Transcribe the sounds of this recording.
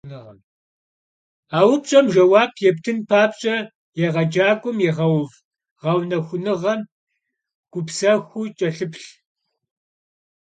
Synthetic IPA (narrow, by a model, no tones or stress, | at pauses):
nɨʁɐm | aːwʊpɕʼɐmʒɐwaːbʰjɛptʰɨnpʰaːpɕʼɐ | jɛʁɐd͡ʒaːkʷʼʊmjɛʁɐwv | ʁɐwnɐxʷʊnɨʁɐm | ɡ̥ʷʊpsɐxʷut͡ʃʼɐɬɨpɬ